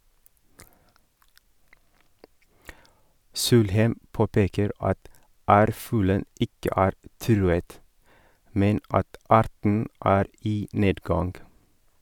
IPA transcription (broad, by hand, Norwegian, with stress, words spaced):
ˈsuːlhæɪm ˈpoːpeːkəɾ ˈɑt ˈæːɾˌfʉːlə ˈɪkə ˈæːɾ ˈtɾʉːət ˈmɛn ˈɑt ˈɑːɾtɳ̩ ˈʔæːɾ ˈiː ˈneːdɡɑnɡ